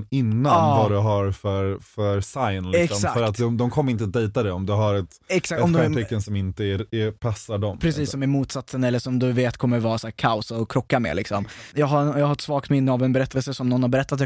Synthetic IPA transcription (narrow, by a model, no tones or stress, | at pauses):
ɪnːanːvad̪ɛɦaɾfœɾfœɾsajnlɪɛksɔmsaffœɾat̪d̪ɔmd̪ɔmkʰɔmːəɾɪnt̪əd̪ejt̪ad̪ɛɔmd̪ɵɦaɾɛt̪ | ɛksak̪ɔmd̪ɔmt̪ʰɛkːənsɔmɪnt̪əæɛpʰasːaɖɔmpʰɾɛsiːsːɔmæɾmuːt̪sat̪sənɛlːəʂɔmd̪ɵveːt̪kʰɔmːəɾvɑːɾsæːɾkʰaʊsaɔkʰɾɔkːamḛːlɪksɔmjɑːɡɦajɑːɡhaɾɛt̪svɑːɡ̚t̪mɪnːəavɛnbɛɾɛt̪ːəlsəsɔmnɔnhaɾbɛɾɛt̪ːat̪̬